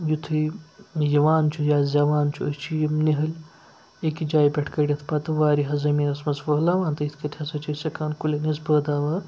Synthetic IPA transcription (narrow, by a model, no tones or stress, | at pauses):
jut̪ʰɨjɐʋaːnt͡ʃʰujaːzʲɐʋaːnt͡ʃʰuɐst͡ʃʰijimniɦɐlʲ | ekid͡ʒaːjbʲɐʈʰkɐɽʲɐt̪ʰpɐt̪ɨʋaːɾiɦɐzɐmiːɾɐsmɐzʋɐɦlaːʋãːnt̪ɐit̪ʰkɐt̪ʲʰɐsɐt͡ʃʰɐsɐkʰaːnkulʲenizbəːd̪aːʋaːɾ